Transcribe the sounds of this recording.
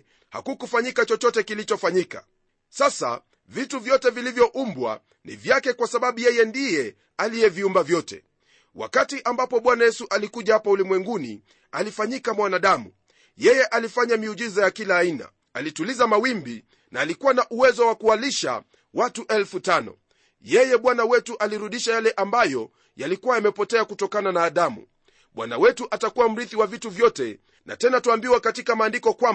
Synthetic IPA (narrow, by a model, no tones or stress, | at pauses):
ha̰kukufaɲikat͡ʃɔt͡ʃɔtɛkilit͡ʃɔfaɲika̰ | sasa̰ | vituvjɔtɛvilivjɔʔumbwa̰ | nḭvjakɛkwasaɓaɓujɛjɛndijɛ | alijɛviumbavjɔtɛ̰ | wa̰katiʔambapɔɓwanajɛsuʔalikuʄahapaulimwɛŋɡunḭ | alifaɲikamwanaɗamu | jɛjɛʔalifaɲamiuʄizajakilaːina̰ | alitulizamawimbi | naːlikuwanaʔuwɛzɔwakualiʃa̰ | watuʔɛlfutanɔ̰ | jɛjɛɓwanawɛtuʔaliɾuɗiʃajalɛʔambajɔ | jalikuwaamɛpɔtɛakutɔkananaːɗamṵ | ɓwa̰na̰wɛtuʔatakuwam̩ɾiθiwavituvjɔtɛ | nʔa̰tɛnatuambiwakatikamaːndikɔkwam